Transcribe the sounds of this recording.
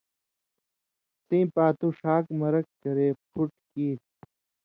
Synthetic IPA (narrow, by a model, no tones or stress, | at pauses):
sĩːpaːt̪uʂaːkmɐɾɐkkɐɾeːpʰuʈkiːʈ